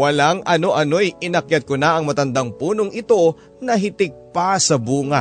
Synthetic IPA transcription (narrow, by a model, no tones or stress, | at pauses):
wɐlaŋʔɐno̞ʔɐno̞jɪnɐkjɐt̪̚konaʔɐŋmɐt̪ɐnd̪aŋpuːnoŋʔɪt̪o̞ | nɐɦɪt̪ɪɡ̚pasɐbuːŋɐ